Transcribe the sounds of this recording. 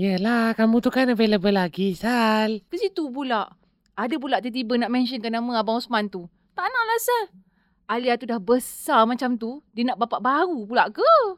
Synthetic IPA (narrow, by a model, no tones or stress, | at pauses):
jəlahkamũt̪ukanabeləbəlaɡisalkəsit̪up̬ulaʔ | adəp̬ulaʔt̪ət̪̬ibənaʔmɛnʃənkanamə̃abaũsmant̪u | t̪aʔnaʔlasə | aliat̪udahbəsarmat͡ʃamt̪udənaʔbapaʔbaɾupulaʔkə